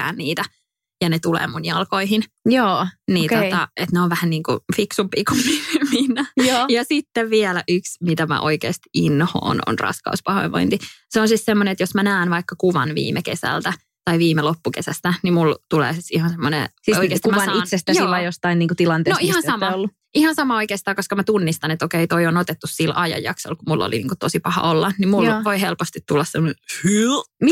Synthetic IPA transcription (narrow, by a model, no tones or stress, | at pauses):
æ̰ːnniːt̪æ | jɑnet̪ulḛːmunjɑlkoiɦin | joːniːot̪ɑʔet̪neoʋʋæhænniːŋkṵfiksumpḭːkumːiminːæjoːjɑsit̪ːeʋʋiɛlæʔyksmit̪æmæ̰ʔoikḛːst̪i̥inho̰ːno̰nrɑ̰skɑ̰uspɑhoiʋo̰int̪iseonsissemːoneet̪josmænæːnʋɑikːɑkuʋɑ̰nʋḭːmekesæ̰lt̪æ | t̪ɑiʋiːmelopːukesæst̪ænimult̪ulḛːsisihɑnsemːonḛsisoikeːst̪mnisest̪æjiʋɑjost̪ɑinniːŋkut̪ilɑnt̪enoihɑnsɑmɑolːu | ihɑnsɑmɑoikeːst̪ɑːkoskɑmæt̪unːist̪ɑnet̪okeit̪oionot̪et̪ːussilʔɑjɑ̰jɑ̰kso̰lkumulːo̰lḭnḭːŋkut̪osipɑhɑ̰olːɑnimulʋoiɦelpost̪it̪t̪ulːɑssemːonehymi